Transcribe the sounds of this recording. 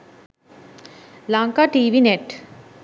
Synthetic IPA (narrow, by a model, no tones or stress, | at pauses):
laŋkaʈiːʋineʈ